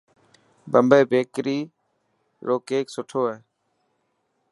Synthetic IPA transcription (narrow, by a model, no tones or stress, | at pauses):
bəmbeːbeːkɾiː | ɾoːkeːksʊʈʰoːɦɛː